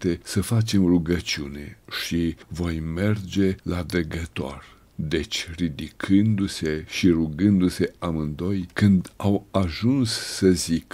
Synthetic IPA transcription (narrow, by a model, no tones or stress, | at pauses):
t̪e̞səfat͡ʃe̞mruɡət͡ʃiune̞̰ʃivo̞jme̞rd͡ʒe̞lad̪əɡət̪oo̰r | d̪e̞t͡ʃʲrid̪ikʰɨnd̪use̞ʃiruɡɨnd̪use̞amɨnd̪o̞jkɨnd̪awaʒunsːəzik